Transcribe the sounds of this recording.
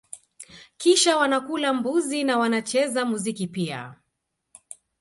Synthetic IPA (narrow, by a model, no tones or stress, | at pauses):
kiʃawanakulambuzinawanat͡ʃɛzamuzikipia̰